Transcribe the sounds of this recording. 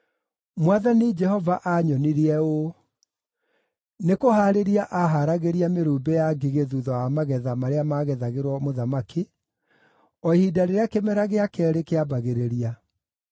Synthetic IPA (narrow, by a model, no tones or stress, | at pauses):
mwaðanid͡ʒɛhɔvaʔaɲɔniɾiɛo | nekohaːɾeɾiaʔaɦaɾaɣeɾiameɾuːbɛjaɡiɣeðuðɔjamaɣɛðamaɾeamaɣɛðaɣeɾwɔmoðamaki | ɔhidaɾeɾeakemɛɾaɣeakɛɾekeabaɣeɾeɾia